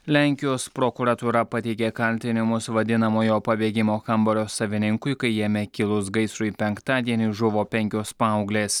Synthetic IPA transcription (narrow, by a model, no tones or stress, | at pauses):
lʲæŋʲkʲɪjoːspɾokuɾɐt̪uːɾɐpɐt̪ʲɛɪkʲeːkɐlʲt̪ʲɪnʲɪmʊsʋɐd̪ʲɪnɐmoːjoːpɐbʲeːɡʲɪmoːxɐmbɔɾʲoːsɐʋʲɪnʲɪŋkʊɪkɐɪjeːmʲɛkʲɪlˠʊs̬ɡɐɪsɾʊipʲɛŋkt̪ɑːd̪ʲiɛnʲiʒʊʋoːpʲɛŋʲkʲoːspɐɐʊɡlʲeːs